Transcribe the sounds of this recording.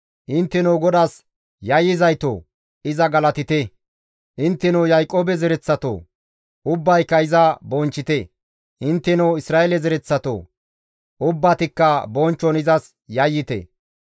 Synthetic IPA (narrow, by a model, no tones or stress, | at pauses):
ʔɪnt̪ːɛnoːɡɔd̪as | jɐjːɪzɐjt̪o̰ː | ɪzɐɡɐlɐt̪ɪt̪ɛ | ʔɪnt̪ːɛnɔwjɐjkʼːoːbɛzɛɾɛt͡sːɐt̪o̰ː | ʊbːɐjkːɐɪzɐbɔnt͡ʃːɪt̪ɛ | ʔɪnt̪ːɛnɔwɪsɾaːɛlɛzɛɾɛt͡sːɐt̪o̰ː | ʔʊbːat̪ɪkːɐbɔnt͡ʃːɔnɪzɐs | jɐjːɪt̪ɛ̰